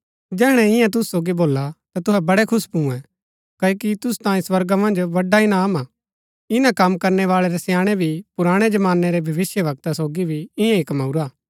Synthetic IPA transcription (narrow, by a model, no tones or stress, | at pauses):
d͡ʒɛːɽ̃ɛɪ̃jãt̪̬ʊssoːɡiboːlat̪at̪ʊɦɛbɐɽɛkʰʊspũɛ̃ | kɐːokit̪ʊst̪ãːĩswɐɾɡamɐ̃nd͡ʒbɐɖainaːmaː | ɪnãkɐmkɐɾnɛʋaːɭɛɾɛsjãːɽ̃ɛbʱipʊɾaːɽ̃ed͡ʒɐmaːnːɛɾɛbʱɐʋɪsjəʋɐk̚t̪asoːɡibʱiɪjãɪkmaʊɾaː